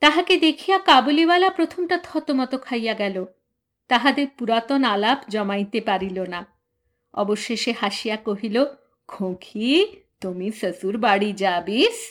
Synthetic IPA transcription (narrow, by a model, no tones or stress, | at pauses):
t̪aɦaked̪ekʰijakabulibalapɾot̪ʰomʈat̪ʰɔt̪omɔt̪okʰajaɡɛlo | t̪aɦad̪eɾpuɾat̪onalabd͡ʑɔmajt̪epaɾilona | ɔ̰boʃːeʃehaʃijakoɦilo | ɡʰʱokʰit̪omisəsuɾbaɽid͡ʑabis